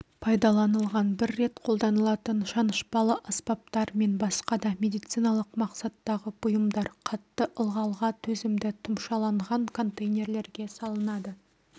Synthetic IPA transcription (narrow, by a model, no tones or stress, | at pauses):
pʰɑjd̪ɑlˠɑnəlˠʁɑnbɪɾːe̞t̪qʰo̞lˠd̪ɑnəlˠɑt̪ənʃɑnəʃpɑlˠəʔɑspɑp̚t̪ɑɾme̞nbɑsqɑd̪ɑmʲe̞d̪ijt̪sijnɑlˠəqmɑqsɑt̪ːɑʁəb̥ʊjəmd̪ɑɾqʰɑt̪ːəʔəlˠʁɑlˠʁɑt̪ʰɵzɪmd̪ɪt̪ʰʊmʃɑlˠɑɴʁɑŋkʰo̞nt̪ejnʲe̞ɾle̞ɾɡʲe̞sɑlˠənɑd̪ə